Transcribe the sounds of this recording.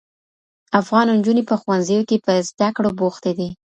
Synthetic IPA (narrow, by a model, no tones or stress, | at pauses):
afɣɑnnd͡ʒunepəxwanzəjokepəzd̪akɽoboxt̪ed̪i